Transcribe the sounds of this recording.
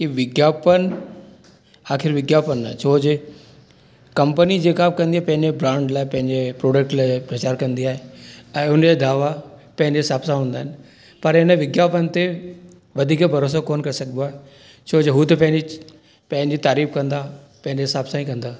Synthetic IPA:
kiʋɪɡjaːpən | aːkʰɪɾʋɪɡjaːpənat͡ɕʰoːd͡ʑe | kɐ̃mpənid͡ʑeːkakɐ̃nd̪iaɦɪpɐ̃ɦɪ̃ɲd͡ʑebɾãːɳɖlaːɪpɐ̃ɦɪ̃ɲd͡ʑepɾoːɖək̚ʈlaːɪpɾɐt͡ɕaːɾkɐ̃nd̪iaːɦeɛ̃ːʊnd͡ʑed̪ʱaːʋapɐ̃ɦɪ̃ɲd͡ʑeɪsaːbsaɦũːn̆d̪aɦɪnɪ̆ | pɐɾɪnəʋɪɡjaːpənt̪e | ʋɐd̪ʱiːkbʱɐɾoːs̬okoːnkɐɾesɐɡənd̪oaːɦe | t͡ɕʰoːd͡ʑeɦut̪epɐ̃ɦɪ̃ɲd͡ʑi | pɐ̃ɦɪ̃ɲd͡ʑit̪aːɾiːfkɐ̃nd̪aː | pɐ̃ɪ̃ɲd͡ʑeɦsaːbsaĩkɐ̃nd̪aː

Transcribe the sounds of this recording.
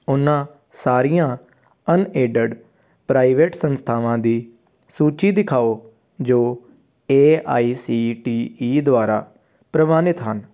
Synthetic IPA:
ʊnːãː | saːɾijãː | əneːɖəɖ | pɾaːiʋeːʈsənst̪ʰaːʋãːd̪iː | suːt͡ʃiːd̪ɪkʰaːoː | d͡ʒoː | eːaːiːsiːʈiːiːd̪ʊaːɾa̰ː | pɾəʋaːnɪt̪ɦən

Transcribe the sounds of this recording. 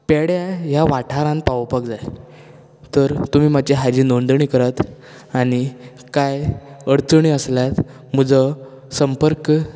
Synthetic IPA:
peɽjaɦjaʋaʈʰaɾãn̚paʋəpək̚d͡zaj | t̪əɾt̪um̤iːmat͡ɕeɦad͡ʑiːnoɳnd̪ɳiːkəɾət̪ | añi | kajəɽt͡səɳiəsljat̪ | m̤əd͡zə | səmpəɾk

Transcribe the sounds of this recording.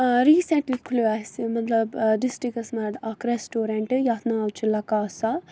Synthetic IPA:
ɾiːseɳʈlikkʰluasimɐt̪lɐbɖisʈɾikɐsmɐɾʈ̪akɾesʈoːɾeɳʈjaːt̪naɐwt͡ʃʰilɐkaːsa

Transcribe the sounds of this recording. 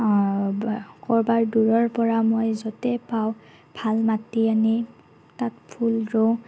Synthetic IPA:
kɔɹbaɹduɹɔɹpɔɹamojzɔtɛpaw | bʱalmatiani | tatpʰulɹow

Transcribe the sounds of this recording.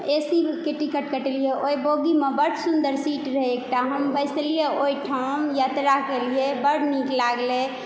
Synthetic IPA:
esikeʈikəʈkəʈelijeʔojboɡimebəɽsund̪əɾsiʈɾəɦɛekʈaɦəmbəɪselijeojʈʰəmjat̪ɾakelijebəɽniklaɡle

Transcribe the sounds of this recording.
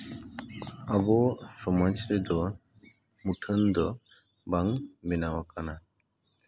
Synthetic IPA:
abɔsɔmad͡ʒɾɛd̪ɔ | muʈʰənd̪ɔ | baŋbɛnawakana

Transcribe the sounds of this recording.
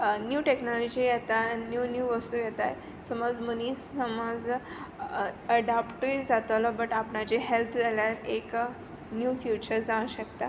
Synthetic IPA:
njuːʈeknɔlɔd͡ʑijɛt̪anjuːnjuʋəst̪uːjɛt̪aj | səmod͡zmənĩːsəmɔd͡z | əɖapʈəid͡zat̪olɔbəʈapɳat͡ɕeɦelt̪ʰd͡zaljaɾek | njuːfjut͡ɕəɾd͡zaũɕəkt̪a

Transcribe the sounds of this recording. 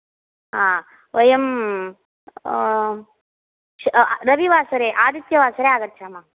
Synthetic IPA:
ɦaː | ʋʔɐjɐm | ɾɐbiʋaːsɐɾeːʔaːd̪it̪jɐʋaːsɐɾeaːɡɐɾt͡ʃaːmaː

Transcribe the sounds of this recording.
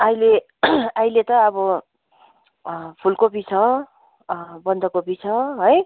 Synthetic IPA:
ʌjle | ajlet̪ʌːbʌ | pʰulkopit͡sʰʌ | bʌnd̪ʱʌkopit͡sʰʌɦoj

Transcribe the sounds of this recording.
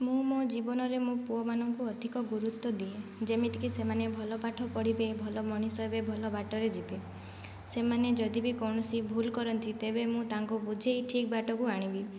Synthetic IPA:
mũmod͡ʒibɔnɔɾemũpuɔmanɔŋkuɔd̪ʱikɔɡuɾut̪ːɔd̪ied͡ʒemit̪ikisemanebʱɔlɔpaʈʰɔpɔɽ̤ibebʱɔlɔmɔɽ̃isɔjbebʱɔlɔbaʈɔɾed͡ʒibe | semaned͡ʒɔd̪ibikɔwɳɔsibʱulkɔɾɔnt̪ʰit̪ebemũt̪aŋkubud͡ʒʱejʈʰik̚baʈɔkuaɽ̃ibi

